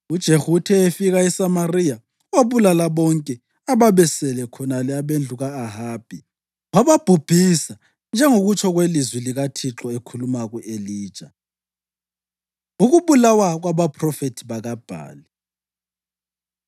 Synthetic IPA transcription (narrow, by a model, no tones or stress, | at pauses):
ud̥ʒ̥ʱehutʰɛefiɣaɛsamarija | waβulalaβɔŋkʼɛ | aβaβɛsɛlɛkʰɔnalɛaβend͡ɮʱuɣaːɦab̥ʱi | ŋaβab̥ʱub̥ʱisa | nd͡ʒʱɛŋoɣut͡ʃʰɔɣwelizwiliɣatʰiǁɔekʰulumaɣuʔeliːd̥ʒ̥ʱʼa | uɣuβulawaɣwaβapʰrɔfetʰiβaɣab̥ʱa̰ːli